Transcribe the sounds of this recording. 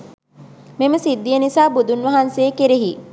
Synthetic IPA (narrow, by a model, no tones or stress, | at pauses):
meməsid̪ːijənisaːbud̪unʋɐɦansejekeɾeɦi